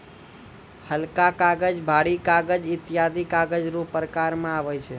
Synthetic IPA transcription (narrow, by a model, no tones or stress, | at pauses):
həlkakaɡəd͡ʒbʱaɽikaɡəd͡ʒɪt̪ijad̪ikaɡəd͡ʒɾupəɾkaɾmãaʋəjt͡ʃʰe